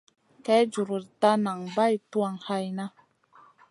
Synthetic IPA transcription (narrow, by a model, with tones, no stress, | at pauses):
kɛ˨˦d͡ʒu˨ɾu˨ɾta˦na˨ŋba˦˨jtu˦a˦˨ŋ˨ha˦jna˦